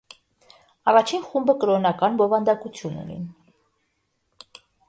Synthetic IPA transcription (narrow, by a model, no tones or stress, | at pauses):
ɑrɑt͡ʃʰinχumbəkəɾɔnɑkɑnbɔvɑnd̪ɑkut͡sʰjunṵnḭ